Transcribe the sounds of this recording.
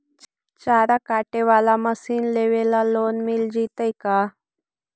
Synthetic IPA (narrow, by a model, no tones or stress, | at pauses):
t͡ɕaɾakaʈeʋalaməsiːnleʋelalonmild͡ʑit̪əjka